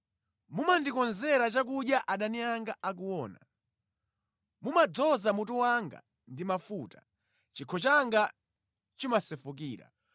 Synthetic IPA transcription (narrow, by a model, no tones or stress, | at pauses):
mumandikɔnzɛɾat͡ʃak̬uɗjaʔaɗaniaŋɡaʔak̬uwɔːna̰ | mumad͡zɔzamutuwaŋɡa̰ | ndimafuta | t͡ʃikʰɔt͡ʃaŋɡa | t͡ʃimasɛfuk̬iːɾa̰